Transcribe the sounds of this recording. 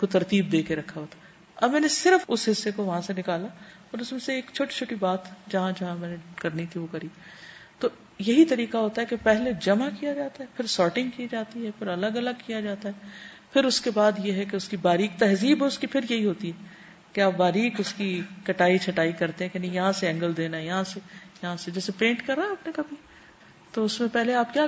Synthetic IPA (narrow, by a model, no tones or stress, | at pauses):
kot̪ɐɾt̪iːb̚d̪eːkeɾɐkʰːaɦoːt̪ḁː | ɐ̰bmɛ̃ːnesɪɾəfʊsɦɪsːekoʋɐɦãsenɪkaːla | ɔːɾʊsmẽseeːkt͡ʃʰoːʈi̥t͡ʃʰoːʈibaːt̪d͡ʒɐɦãd͡ʒɐɦãmɛ̃ːnekɐɾnit̪ʰiʋokɐɾiː | t̪oː | jɐɦit̪ɐɾiːqaɦoːt̪aɦɛkepɛɦled͡ʒɐmakijad͡ʒaːt̪aɦɛpʰɪɾsɔːɾʈɪ̃ŋɡ̚kid͡ʒaːt̪iɦɛpʰɪɾɐləɡɐləɡ̚kijad͡ʒaːt̪aɦɛː | pʰɪɾʊskebaːd̪jeɦɛkeʊskibaːɾiːk̚t̪ɛɦziːbʊskipʰɪɾjɐɦiɦoːt̪iɦɛː | keaːp̚baːɾiːkʊskikɐʈaːit͡ʃʰɐʈaːikɐɾt̪ẽɦɛ̃kenijɐɦãseɛ̃ːŋɡəld̪eːnajɐɦãsejɐɦãsed͡ʒɛːsepẽːɳʈkɐɾːaɛaːpnekɐbʱi | t̪oʊsmẽpɛɦleaːp̚kjaː